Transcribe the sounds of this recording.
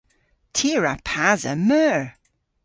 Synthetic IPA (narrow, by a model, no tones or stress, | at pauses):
tʰiɹapʰazə̰mœːɹ